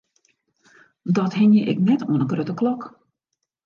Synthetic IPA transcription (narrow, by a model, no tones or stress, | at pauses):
dɔtɦɪnjəʔɪ̰knɛtwənəɡrøtəklɔk